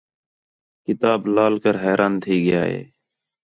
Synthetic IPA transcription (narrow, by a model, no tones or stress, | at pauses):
kɪt̪aːblaːlkəɾɦɛːɾʔaːnt̪ʰiːɡɪja̰ːɦḛː